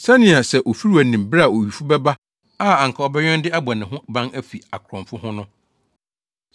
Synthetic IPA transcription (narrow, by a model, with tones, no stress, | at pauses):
sã˦nɪ̃˨a˨sɛ˦˨ʔo˨fi˦ɾi˦æ˨nĩ˨mbɾa˨o˨ɥi˨fu˦bɛ˦ba˦ | a˦a˨ŋ˨kʰa˨ɔ˦bɛ˦ɲᶣɛ̃˦ndɪ˦a˦ba˨nɪ̃˨ɦʊ̃˦bã˦næ˦fi˨a˨kʰɾɔ̃˨mfʊ˦hʊ̃˦nʊ̃˦